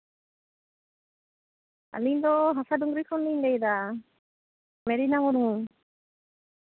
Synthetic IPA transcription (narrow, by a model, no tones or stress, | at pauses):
a̰liɲd̪ɔɦasaduŋɡɾikʰɔndiɲɡajd̪a | mɛɾinaŋɔɾuŋ